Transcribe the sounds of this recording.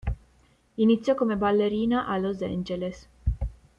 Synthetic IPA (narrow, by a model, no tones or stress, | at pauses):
init̪sijokomebalːeɾinaʔalozḛnd͡ʒeles